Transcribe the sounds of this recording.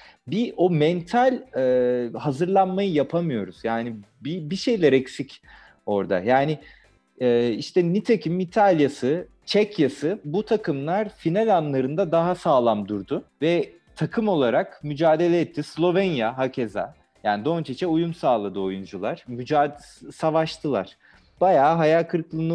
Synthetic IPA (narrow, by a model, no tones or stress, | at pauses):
biʔo̞mɛnt̪ʰalʲɛːhazɯɾlˠanmajɯjapʰamɯjo̞ɾuz̥jaːni | bibiʃe̞jlʲɛɾɛksic | o̞ɾd̪a̰jaːnɪ | ɛːiʃt̪ʰɛnit̪ʰacʰimːit̪ʰalʲjasɯ | t͡ʃʰɛcjasɯbut̪ʰakʰɯmlˠaɾ̥finalʲanlˠaɾɯnd̪ad̪aɦasaːlˠamd̪uɾd̪ʊvɛ | t̪ʰakʰɯmo̞lˠaɾakmyd͡ʒaːd̪e̞lʲɛɛt̪ʰːislʲˠo̞vɛnjaɦacʰeza̰ | jaːnid̪o̞nt͡ʃʰet͡ʃʰɛujumsaːlˠad̪ɯo̞jund͡ʒulˠaɾ̥myd͡ʒaː | savaʃt̪ʰɯlˠa̰ɾ̥ | b̥ajaːɦajalkʰɯɾklˠɯnɯ